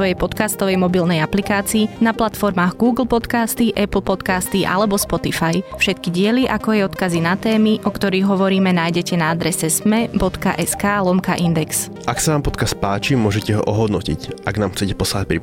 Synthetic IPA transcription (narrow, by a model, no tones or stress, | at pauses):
ɔjɛjpɔt̪kast̪ɔʋɛjmɔbilnɛjaplikaːt͡siːnaplat̪fɔɾmaːɣɡuːɡl̩pɔt̪kaːst̪iʔɛpl̩ˠpɔt̪kaːst̪iʔa̰lɛbɔspɔt̪ifajfʃɛt̪kiɟɪɛliʔakɔajɔt̪kazinat̪ɛːmiʔɔkt̪ɔɾiːɣɦɔʋɔɾiːmɛnaːjɟɛcɛnaad̪ɾɛsɛsmɛbɔt̪ka̰ʔɛskaːlɔmkaʔind̪ɛks | ʔaksanaːmpɔt̪kast̪̚paːt͡ʃimʊɔʒɛcɛɦɔ̰ʔɔɦɔd̪nɔcḭcʔaɡnaːmxt͡sɛcɛpɔslaac̚pɾi